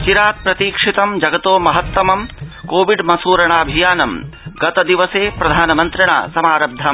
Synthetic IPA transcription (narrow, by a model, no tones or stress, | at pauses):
t͡ʃiɾaːt̪̚pɾɐt̪iːkʂit̪ɐmd͡ʒɐɡɐt̪oːmɐɦɐt̪ːɐmɐmkoːʋiɖmɐsuːɾɐɳaːbʱijaːnɐmɡɐt̪ɐd̪iʋɐseːpɾɐd̪ʱaːnɐmɐnt̪ɾɐɳa̰ːsɐmaːɾɐb̚d̪ʱɐm